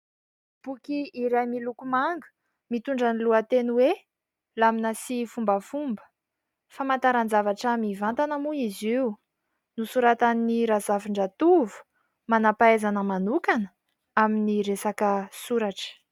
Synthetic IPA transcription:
b̥ukiːɾajmilukumaŋɡə̥ | mit̪uɳɖ͡ʐəniluat̪enuwe | laminəsifumbəfumbə̥ | famant̪aɾand͡zavaʈ͡ʂamivant̪anamuiziu | nusuɾat̪aniɾazaviɳɖ͡ʐat̪uvu̥ | manapaezanəmanukanə | aminiɾesakəsuɾaʈ͡ʂə̥

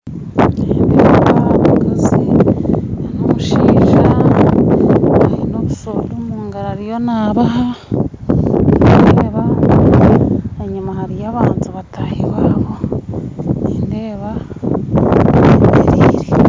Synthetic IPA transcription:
nindeːββaβaɡazi | anomuʃiːʒa | βaɾinoβusolumuːŋɡaɾaɾijo̞naβaɦa | nindeːβa | eɲumahaɾijaβaːntuβatʰahiwaːβo | niːndeːβa | deɾiːɾe

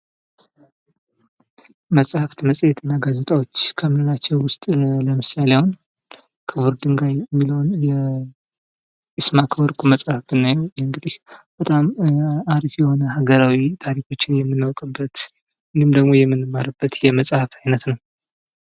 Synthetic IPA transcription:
məsʼhaft̪məsʼjɛt̪ʰɨnːaɡazet̪ʼawo̞t͡ʃːkʰəmɨnɨlat͡ʃːɛwwʊst̪ʼləmɨsaleawun | kʰɨβɨɾd̪ɨŋɡajɛmːiləwnjɛ | ʔɨsmakʰəwɔɾkʼuməsʼhafb̪ɨnːajɛwɨŋɡɨd̪ihb̥ət̪ʼamaɾifjɛho̞nəɦaɡəɾawit̪ʰaɾikʰo̞t͡ʃːɪnjɛmːɨnːawkʼɨbːət̪ | ɨnɨmd̪əɡmo̞jɛmːɨnːɨmːəɾɨbːət̪jɛməsʼhafajnət̪nəw

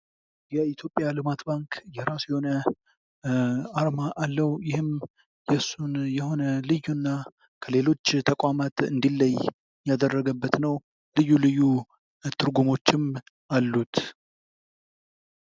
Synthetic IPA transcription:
jɛit̪ʰjo̞pʼjalɨmat̪baŋkjɛɾasjɛho̞nə | aɾmaʔalːəwjɪhɨm | jɛsːunjɛho̞nəlɨjːunːa | kʰəle̞lo̞t͡ʃːt̪ʰəkʼwamat̪ɨ̰nd̪ilːəj | jad̪ərːəɡəbːət̪nəw | lɨjːulɨjːu | t̪ʰɨɾɡumo̞t͡ʃːɪm | alːut̪

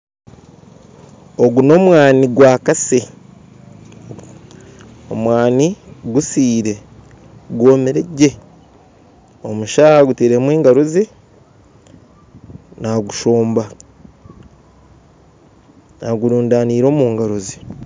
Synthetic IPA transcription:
o̞ɡuno̞ːmwaːniɡwaːkase | omwaːniɡusiːɾe̞ | ɡwoːmeɾeɟːe̞ | o̞muʃahaɡuteɾemwiːŋɡaɾozi | naɡuʃoːmba | naɡuɾuːndaniːɾo̞ːmuːŋɡaɾozi

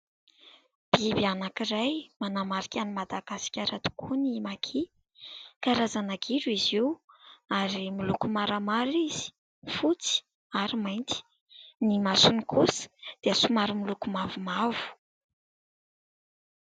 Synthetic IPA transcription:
b̥ibianakirajmanamaɾikʲanimad̪aɡ̥asi̥kʲaɾat̪u̥kʰunimakʰi | kaɾazanaɡiɾuiziwaɾimilukumaɾamaɾiz̥i̥ | fut͡si̥ | aɾimajnt̪i̥ | nimasunikʰusə̥d̪̥easumaɾimilukumavumavu̥

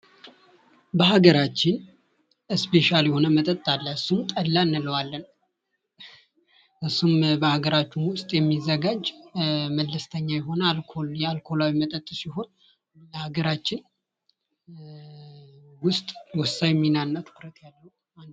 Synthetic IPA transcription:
bəhaɡəɾat͡ʃːɪn | ɨspe̞ʃaljɛho̞nəmət̪ʼət̪ʼːalːəɨsːumt̪ʼəlːanːɨləwalːən | ʔɨsːumbəhaɡəɾat͡ʃːunwʊst̪ʼjɛmːizːəɡad͡ʒməlːəst̪ʰəɲːajɛɦo̞nəalkʰojɛalkʰo̞lawimət̪ʼət̪ʼːsiho̞n | ləhaɡəɾat͡ʃːɪn | wʊst̪ʼwɔsajɛmːinanːat̪ʰɨ̥kɾət̪ʰjalːəhu | an

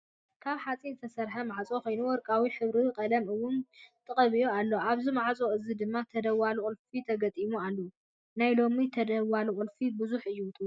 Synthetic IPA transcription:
kʰaβħat͡sʼizɨt̪ʰɐsɐɾħɐmaʕt͡sʼoxo̞jnuwɔɾkʼawiħɨβɾikʼɐlɐmɨwːʊnt̪ʼɨχʼɐβijoalːo̞ʔaβzimaʕt͡sʼoɨzid̪ɨmːat̪ʰɐd̪ɐwalukʼulfit̪ʰɐɡɐt̪ʼimualːɐu | najlo̞mit̪ʰɐd̪ɐwaluʔʼulfibɨzuħɨjːuwʊt̪ʼu

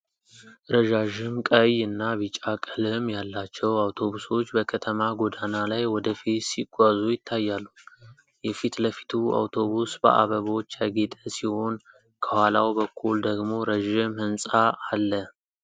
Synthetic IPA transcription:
ɾəʒaʒɪmkʼəjɨnːaβit͡ʃʼakʼəlɨmjalːat͡ʃːɛwawt̪ʰo̞βuso̞t͡ʃːbəkʰət̪ʰəmaɡod̪analajwɔd̪əfit̪siɡʷazujɪt̪ʰːajːalːu | jɛfit̪ləfi̥t̪ʰua̰wt̪ʰo̞βusbə̰ʔa̰βəβo̞t͡ʃːaɡet̪ʼəsiho̞n | kʰəhalawbəkʰːuld̪əɡmo̞ɾəʒɪmhɨnsʼaːlːə

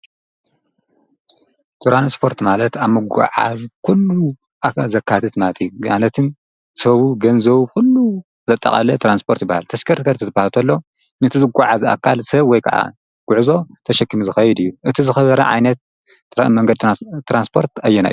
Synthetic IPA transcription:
t̪ʰuɾanspʰo̞ɾt̪malɐt̪aβmɨɡʷa̰ʕa̰zkʰulːu | ʔaazɐkʰːat̪ʰɨt̪mat̪ʰiɡanɐt̪ʰɨn | sɐβuɡɐnzɐβukulːu | zɐt̪ʼːɐ̰kʼɐ̰lɐt̪ʰɾanspʰo̞ɾt̪jɪbːahalt̪ʰɐskʰɐɾt̪kʰɐɾt̪ʰɨt̪ʰɨbahalt̪ʰɐlːo̞ | nɨt̪ʰizɨɡʷaʕaza̰kʰːalsɐβwɔjkʰaʕa̰ | ɡ̥ʊʕzo̞t̪ʰɐʃɐkːimuzɨxɐjɛd̪ɨjːuʔɨt̪ʰizɨxɐβɐɾɐ̰ʕa̰jnɐt̪̚ | ɾamɐŋɡɐd̪̚t̪ʰɾanspʰo̞ɾt̪ajːɛna̰jːu

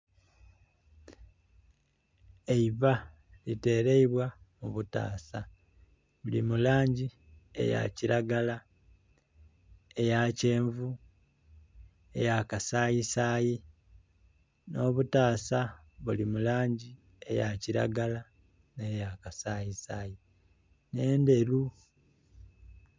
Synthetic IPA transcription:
eiβa | lite̞ːɾe̞iβwamuβuta̰ːsa | βulimulaːɲɟi | e̞̰ja̰ciɾaɡala | e̞jace̞ːɱvu | e̞̰jakasaːjisaːji | no̞ːβutaːsa | βulimulaːɲɟi | e̞jaciɾa̰ɡala | ne̞jakasaːjisaːji | ne̞ːnde̞ɾu

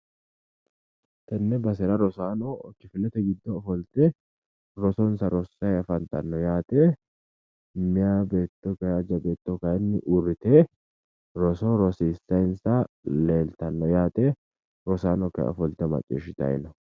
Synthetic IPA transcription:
t̪ɐnːɛbɐsɛɾɐɾɔsaːnɔɔt͡ʃːɪfɪlɛt̪ɛɡɪd̪ːɔːfɔlt̪ɛ | ɾɔsɔnsɐɾɔsːɐjɐfɐnt̪ɐnːɔjaːt̪ʼe | mɪjabe̞ːt̪ːɔkɐjad͡ʒɐbe̞ːt̪ːɔkɐjnːɪʔʊrːɪt̪e | ɾɔsɔɾɔsisːɐjnsɐleːlt̪ɐnːɔjaːt̪ɛ | ɾɔsaːnɔkɐ̰ɔ̰fɔlt̪ɛmɐ̰t͡ʃʼːḭːʃɪt̪ɐ̰j̰nɐ

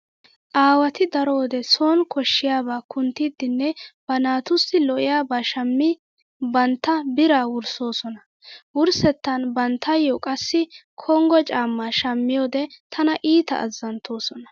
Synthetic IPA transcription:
ʔaːwɐt̪ɪd̪ɐɾo̞ːd̪ɛso̞ːnkʰɔʃːɪjaːbaːkʊnt̪iːd̪ːɪnːɛb̥ɐnaːt̪ʊsɪlɔʔɪjaːbaːʃɐmːɪ | bɐnt̪ːɐbɪɾaːwʊɾso̞ːsɔnɐ | wʊɾsɛt̪ːɐnbɐnt̪ːɐjɔkʼɐsːɪkʰɔŋɡɔt͡ʃʼaːmːaːʃɐmːɪjoːd̪ɛt̪ʰɐnɐʔiːt̪ɐ̰ʔɐ̰zːɐnt̪ʰːo̞ːsɔnɐ

